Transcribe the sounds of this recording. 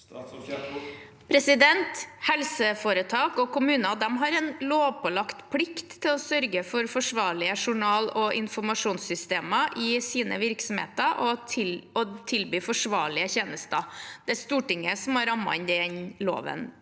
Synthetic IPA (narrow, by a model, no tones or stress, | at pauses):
pʰɾɛsɪd̪ɛnt̪hɛlsəfoːɾət̪ʰɑːkɔkʊmʉːnəd̪ɛmɦɑɾɛnloːʋpʰɔlɑkt̪pʰlɪkt̪ʰːɪlɔsœɾɡəfɔɾfɔʂʋɑːɭɪəʂʊɳɑːlɔʔɪnfɔmɑʂuːnsʏst̪eːməʔɪsiːnə̰ʋɪɾksɔmhḛːt̪əʔɔɔt̪ʰɪlbyːfɔʂʋɑ̰ːɭɪəçeːnəst̪əd̪̥ɛæst̪uːʈɪŋːəsɔmɑɾɑmːɑ̰ɪnd̪ɛnlo̰ːʋə̰n